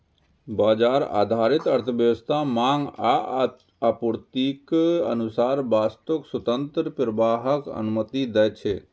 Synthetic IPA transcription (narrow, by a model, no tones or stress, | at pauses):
baːd͡ʒaːɾa̰ːd̪ʱaːɾɪt̪ɐɾt̪ʰəbjəʋəst̪ʰamaːŋɡa | apuɾt̪ikɐ̰nʊsaːɾbaːst̪okswɐt̪ə̃nt̪ɾəpɾəbaːɦəkɐ̰numət̪id̪ɛt͡ʃʰe